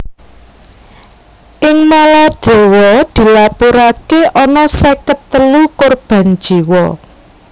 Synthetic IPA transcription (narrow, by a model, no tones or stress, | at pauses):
ʔɪŋmalad̪̥e̤wɔd̪̥i̤lapuɾakeʔɔnɔsekət̪ːəlukorb̥ä̤n̥d͡ʒʒ̥i̤wɔ